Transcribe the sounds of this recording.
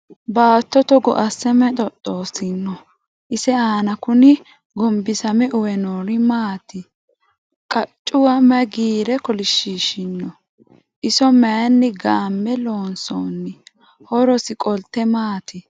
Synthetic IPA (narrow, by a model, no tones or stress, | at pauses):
baːt̪ːɔt̪ɔɡɔ̰ʔɐsɛmɛt̪ʼɔt̪ʼːoːsɪnːɔ | ʔɪsɛaːnɐkʊnɪ | ɡɔmbɪsɐmɛʔʊwɛnoːɾɪmaːt̪ɪ | kʼɐt͡ʃʼːʊwɐmɐɡiːɾɛkɔlɪʃiːʃɪnːɔ | ʔɪsɔmɐjnːɪɡaːmːɛloːnso̰ːnːɪ | hɔɾɔsɪkʼɔlt̪ːɛmaːt̪ɪ